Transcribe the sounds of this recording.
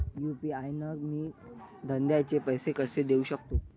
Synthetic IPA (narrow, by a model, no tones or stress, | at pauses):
jupiajnəɡ̚miːd̪ʱənd̪jat͡ɕepəjsekəsed̪euɕək̚t̪o